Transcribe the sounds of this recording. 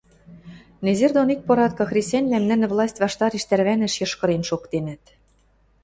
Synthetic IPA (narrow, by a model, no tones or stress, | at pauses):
nezerd̪onik̚pŏɾɑt̪̚kɑ̆xrʲesʲænʲlæmnɘ̆nɘ̆vlˠɑsʲtʲβɑʃt̪ɑɾeʃt̪æɾβænɘ̆ʃjɤ̆ʃkɤ̆ɾenʃokt̪enɘ̆t̪